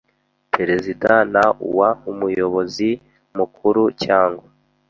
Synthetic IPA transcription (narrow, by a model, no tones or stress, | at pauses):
pʰe̞ɾe̞zidanaṵwaumujo̞βo̞zi | mukuɾucaːŋɡwa